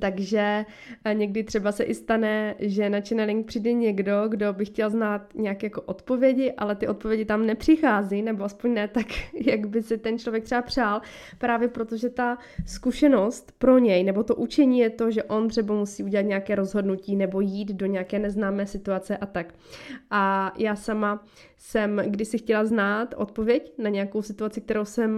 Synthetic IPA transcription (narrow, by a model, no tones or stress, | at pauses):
t̪aɡʒɛ | ɲɛɡdɪt̪r̥ɛbasɛʔɪst̪anɛʒɛnat͡ʃɛnɛlɪŋk̚pr̥idɛɲɛɡdo̞ɡdo̞bɪxcɛlznaːt̪ɲɛjakɛjako̞ʔo̞t̪po̞vjɛɟɪʔa̰lɛt̪ɪʔo̞t̪̚po̞vjɛɟɪt̪amnɛpr̝̥ɪxaːzinɛboaspo̞ɲnɛt̪akjaɡbɪsɪt̪ɛnt͡ʃlo̞vjɛkt̪rɛbapr̝̥aːl | pɾaːvjɛpɾot̪oʒɛt̪a | skuʃɛno̞st̪pɾo̞ɲɛjnɛbo̞t̪o̞ʔut͡ʃɛɲiːjɛt̪o̞ʒɛʔo̞nt̪r̥ɛbamusiːʔuɟɛlat̪ɲɛakɛːɾo̞zɦo̞dnuciːnɛbo̞jiːd̪doɲɛakɛːnɛznaːmɛːsɪt̪uat͡sɛʔat̪ak | ʔajaːsama | sɛmɡdɪʃsɪxcɛlaznaːt̪ʔo̞̰t̪̚po̞vjɛcnaɲɛjako̞wsɪt̪uat͡sɪk̚t̪ɛɾo̞wsɛm